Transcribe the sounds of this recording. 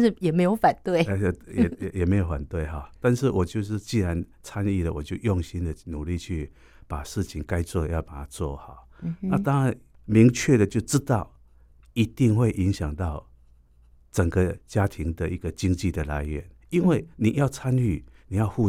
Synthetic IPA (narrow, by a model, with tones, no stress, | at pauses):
ʂ̩˥˩jɛ˨˩me˧˥ɪjo˧˥ʊfa˨˩nt̪we˥˩ɪ˨jjɛ˨˩me˧˥ɪjo˨˧ʊfwa̰˨˩nt̪we˥˩ɪɦɑ˨˩t̪a˥˧nʂɻ̩˥˩wʔɔ˨˩t͡ɕjo˥˧ʊʂɻ̩˥˧t͡ɕi˥˩˨ɻa˧˦nt͡sʰa˦˥ni˥˩lə˨wɔ̰˨˩t͡ɕjo˥˧ʊjɔ˥˨ŋɕi˦nd̪ə˨nu˨˩li˥˧t͡ɕʰy˥˩ | pa˨˩ʂɻ̩˥˩t͡ɕʰi˧˦ŋka˦ɪt͡swɔ˥˩d̪ə˨jɑ˥˩ʊpa˨˩t̪ʰa˦t͡swɔ̰˥˩ha˨˩˦ʊna˥˧t̪ɑ˥ŋɻa˧˦n | mi˨˧˥ŋt͡ɕʰɥɛ˥˨d̪ə˨t͡ɕjo˥˩ʊʈ͡ʂɻ̩˦˥t̪ɑ˥˩ʊ | i˧˦t̪i˥˧ŋxwe˥˩ɪʔi˧˥ŋɕjɑ˨˩ŋt̪ɑ˥˩ʊ | t͡sə˨˩ŋɡə˦t͡ɕja˦˥t̪ʰi˧˦ŋd̪ə˨i˧ɡə˨t͡ɕi˥ŋt͡ɕi˥˩d̪ə˩la̰˧˦ɪɥɛ˨˩n | i˦nwe˥˩ɪni˨˩ja˥˩ʊt͡sʰa˦ny˥˩ni˨˩jɑ˥˧ʊhu˥˧